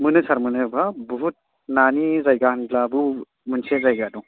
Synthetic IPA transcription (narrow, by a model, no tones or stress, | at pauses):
mɯnɯsaɾmɯnɯbʱabɔɦut̚ | nanizajɡanblabɯ | munsʰezajɡadu